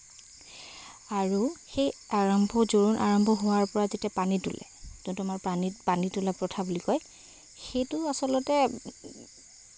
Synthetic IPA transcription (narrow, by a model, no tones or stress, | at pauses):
aɹuxejaɹɔmbʱɔzoɹunʔa̰ɹɔmbʱɔɦʊwaɹpɔɹazetiapanitṵlɛ̰kũtʊmaɹpanipanitulɛpɹɔtʰabulikɔj | xejtʊasɔlɔtɛ